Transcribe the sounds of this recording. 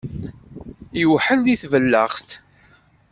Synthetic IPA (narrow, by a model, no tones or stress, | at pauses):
iwħənðiθvəlːəʁst̪